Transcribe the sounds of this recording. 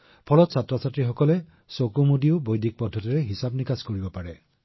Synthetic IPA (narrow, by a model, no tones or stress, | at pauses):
pʰɔlɔtsatɹɔsatɹixɔkɔlɛ | sokumudiʊbojdʱik̚pɔdʱːɔtiɹɛɦisabnikaskoɹibɔpaɹɛ